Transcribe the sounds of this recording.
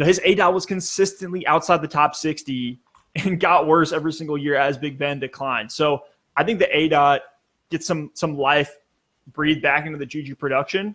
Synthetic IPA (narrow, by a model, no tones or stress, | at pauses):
oʊɨzeɪdɑt̚wʌz̥kɨ̃nsɪstɨ̃nʔliʔaʊtsaɪd̪̚ðɨtʰɑpsɪksti | ɨ̃nɡɑʔ̚wɜ˞sɛvɹisɪ̃ŋɡl̩ˠjɪɹɨzbɪɡ̚bɛ̃ndɨkʰl̥ãɪ̃nd̥soʊ | aɪθɪ̃ŋk̚ðiʔeɪɾɑt̚ | ɡ̥ɪd̥sʌ̃msʌ̃mlaɪf | b̥ɹið̚bækɪ̃ntɨðɨd͡ʒʉd͡ʒipʰɹ̥ɨɾʌkʃɨ̃n